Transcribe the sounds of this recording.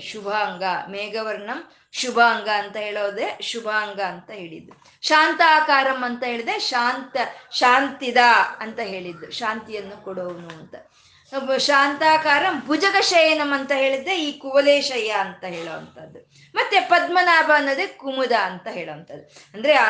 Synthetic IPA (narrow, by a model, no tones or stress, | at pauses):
ʃubʱaːŋɡɐmeːɡɐʋɐɾɳɐm | ʃubʱaːŋɡɐːnt̪ɐɦeːɭoːd̪eʃubʱaːŋɡɐːnt̪ɐɦe̞ːɭḭd̪ːu | ʃaːnt̪aːkaːɾɐmːɐnt̪ɐɦeːɭid̪eʃaːnt̪ɐʃaːnt̪id̪ɐɐnt̪ɐɦe̞ːɭid̪ːuʃaːnt̪ijɐnːukɔɽoʋunuɐnt̪ɐ | ʃaːnt̪aːkaːɾɐmbʱud͡ʒɐɡɐʃɐjɐnɐmːɐnt̪ɐɦeːɭid̪ːeiːkuʋɐleːʃɐjɐːnt̪ɐɦeːɭoʋɐnt̪ɐd̪ːu | mɐt̪ːepɐd̪̚mɐnaːbʱɐnːɐd̪ekumud̪ɐːnt̪ɐɦe̞ːɭoʋɐnt̪ɐd̪ːu | ɐnd̪ɐɾe